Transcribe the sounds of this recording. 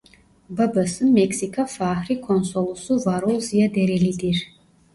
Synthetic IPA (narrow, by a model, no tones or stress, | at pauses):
bɐbɐsɨnmɛksikʰafaːhɾikʰɔnsɔlˠusuvaɾolzijad̪ɛɾɛlid̪iɾ